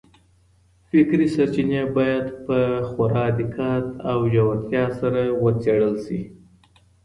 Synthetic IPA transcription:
fɪkɾisaɾt͡ʃinabɑjad̪pəxaɾɑd̪ɪkʰɑt̪awjawat̪jɑsaɾawət͡seɽəlʃi

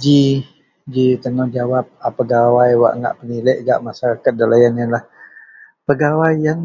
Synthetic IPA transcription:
d͡ʒi | d͡ʒit̪əŋɔhd͡ʒawap̚apəɡawajwa̰ʔŋɡa̰ʔpəniləʔɡa̰ʔmasaɾakat̪̚dalajananlah | pəɡawajan

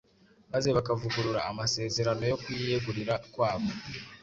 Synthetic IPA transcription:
maze̞βakavuɡuɾuɾaːmase̞ːze̞ɾano̞jo̞kujieɡuɾiɾakwaːβo̞

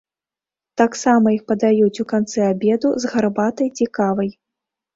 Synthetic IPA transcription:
t̪aksamɐixpɐd̪ajut͡sʲukant̪sɛabʲɛd̪uzɣarbat̪ɐjt͡sʲikavɐj

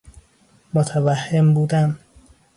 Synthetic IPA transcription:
mot̪ʰævæhːembuːd̪æm

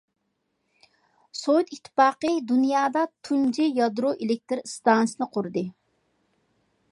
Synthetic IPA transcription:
sojt̪it̪ʰːɪ̥pɑːqəd̪unjɑːd̪ɑt̪ʰund͡ʒijɑd̪ɾoʔelɪk̚ʲt̪ɪɾst̪ɑnsɨnɨqʰʊɾd̪ɨ

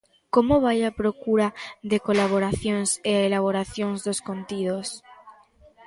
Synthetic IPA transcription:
komoβ̞ajapɾokuɾaðekolaβ̞oɾaθjoŋseelaβ̞oɾaθjoŋzðoskont̪ið̞os

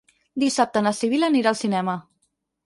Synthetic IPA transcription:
d̪isap̚t̪ənəsiβ̞iləniɾaəlˠsinɛmə

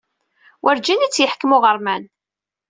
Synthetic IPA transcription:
wʔəɾd͡ʒænit͡sːjəħkəmʊʁəɾˤmæn

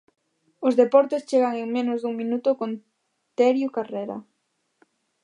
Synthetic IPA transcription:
ʊzðepɔɾt̪est͡ʃeɣaŋeŋmenʊzðuŋminut̪ʊkon | t̪eɾjukareɾa̰

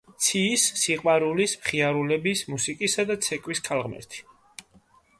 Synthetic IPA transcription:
t̪sʰiːsːiqʼwaɾulismχiaɾulɛbismusikʼisad̪at̪sʰɛkʼwiskʰalˠʁmɛ̰ɾt̪ʰi̥

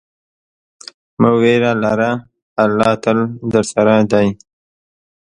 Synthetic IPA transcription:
məweɾalaɾaː | lːɑːt̪əld̪əɾsaɾad̪aj

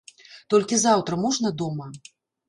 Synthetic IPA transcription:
t̪ɔlʲkʲizawt̪ɾɐmɔʐnɐd̪ɔmɐ

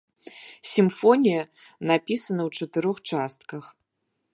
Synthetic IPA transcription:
sʲimfɔnʲijɐ | napʲisɐnɐwt͡ʂɐt̪ɨɾɔxt͡ʂast̪̚kɐx

